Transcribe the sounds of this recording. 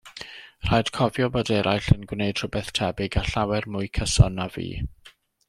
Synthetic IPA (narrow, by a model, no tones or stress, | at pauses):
r̥ajd̥kʰɔvjɔbodɛɾʔajɬənɡwneɨd̥r̥ʊbɛθtʰɛbɪɡaɬawɛrmʊɨkʰəsɔnːavḭː